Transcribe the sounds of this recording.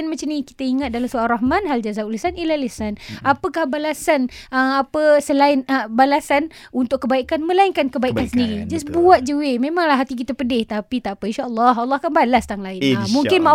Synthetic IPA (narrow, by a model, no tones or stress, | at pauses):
nmat͡ʃamnĩki̥t̪əiŋat̪̚dalamsoalraɦmanɦald͡ʒazaulisanilalesanapəkahbalasanəmapəsəlaɪnəbalasanunt̪ʊʔkːəbaikanmə̃laɪnkankəbaikansəndiɾid͡ʒasbuat̪̚d͡ʒəwemẽmaŋlahɦat̪ik̬it̪apədɪht̪apit̪apəinʃaʔəlːɑɦɑlːɑhkanbalast̪aŋlaɪnmuŋkɪnma